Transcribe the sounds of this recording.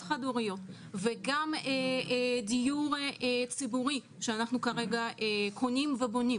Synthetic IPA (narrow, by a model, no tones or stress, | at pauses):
χaduʁijo̞t | ve̞ɡamed̪ijuʁt͡sibuʁi | ʃeanaχnukaʁe̞ɡaʔekʰo̞nimvebo̞ni